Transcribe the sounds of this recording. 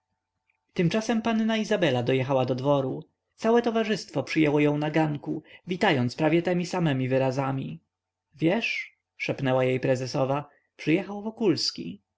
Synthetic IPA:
t̪ɘmt͡ʂasɛmpanːaizabɛlad̪ɔjɛxawad̪ɔd̪vɔɾu | t̪sawɛt̪ɔvaʐɘst̪fɔpʂɘjɛwɔjɔ̃w̃naɡaŋkuvʲit̪ajɔnt̪spɾavʲjɛt̪ɛmʲisamɛmʲivɘɾazamʲi | vʲjɛʂ | ʂɛpnɛwajejpɾɛzɛsɔva | pʂɘjɛxawvɔkulskʲḭ

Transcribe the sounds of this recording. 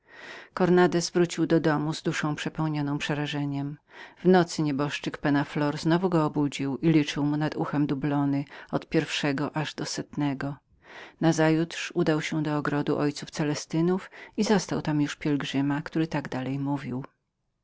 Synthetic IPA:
kɔɾnad̪ɛsvɾut͡ɕiwd̪ɔd̪ɔmuzd̪uʂɔ̃w̃pʂɛpɛwɲɔnɔ̃w̃pʂɛɾaʐɛɲɛmvnɔt̪sɘɲɛbɔʂt͡ʂɘkpɛnaflɔɾznɔvuɡɔːbud͡ʑiwilʲit͡ʂɘwmunad̪uxɛmd̪ublɔnɘɔt̪pʲjɛɾfʂɛɡɔʔaʐd̪ɔsɛt̪nɛɡɔ | nazajut̪ʂud̪awɕɛd̪ɔːɡɾɔd̪uʔɔjt̪suft̪sɛlɛst̪ɘnufizɔst̪awt̪amjuʂpʲjɛlɡʐɘmakt̪uɾɘt̪aɡd̪alɛjmuvʲiw

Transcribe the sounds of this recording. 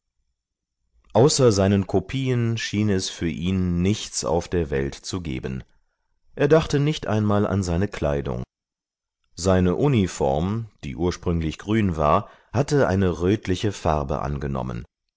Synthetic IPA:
ʔaʊsɐzaɪnənkʰopʰiːənʃiːnɛsfyːɐʔiːnːɪçt͡sa̰ʊfd̥eːɐvɛltt͡suɡḛːbən | ʔeːɐdaχtənɪçtʔa̰ɪnmaːlʔa̰nzaɪnəkʰl̥a̰ɪdʊ̰ŋ | zaɪnəʔunifɔ̰ɐmd̥ḭːʔuːɐʃpʁ̥ʏŋlɪçɡ̥ʁyːnva̰ːɐ | hatəʔa̰ɪnəʁøːtlɪçəfaʁbə̰ʔa̰nɡənɔ̰mə̰n

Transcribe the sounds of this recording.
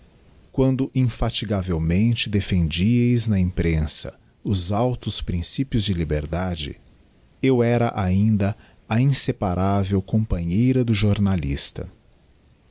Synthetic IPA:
kwɐ̃nd̪ʊʔĩfat͡ʃiɡavewmẽnt͡ʃɪd̪efẽnd͡ʒiejznɐĩmpɾẽsɐ̰ | ʊzawt̪ʊspɾĩsipjʊzd͡ʒɪlibeɾd̪ad͡ʒɪ̰ | ewɛɾɐʔaĩnd̪ɐ | ɐĩsepaɾʔavewkõpɐ̃ɲejɾɐd̪ʊʒoɾnalḭst̪ɐ̰

